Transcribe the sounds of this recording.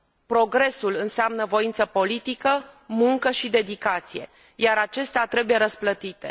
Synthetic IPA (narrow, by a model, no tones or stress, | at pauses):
pɾo̞ɡɾe̞sulɨnseamnəvo̞int̪səpo̞lit̪ikəmuŋkəʃid̪e̞d̪ikat̪sije̞̰ | jaɾat͡ʃe̞st̪eat̪ɾe̞buje̞ɾəsplət̪it̪e